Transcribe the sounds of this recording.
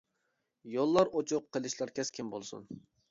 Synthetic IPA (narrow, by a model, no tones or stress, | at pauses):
jolˠːɑɾot͡ʃʰʊqʰːəlˠɨʃlˠɑɾkʲʰɛskʲʰɪmbo̰lˠsṵn